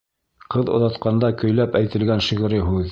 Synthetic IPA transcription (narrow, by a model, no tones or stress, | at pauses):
qɤðŏ̰ðɑt̪qɑnd̪ɑkɵ̆jlæpæjt̪ɘ̆lɡænʃiʁ̆ɾɘɦʉð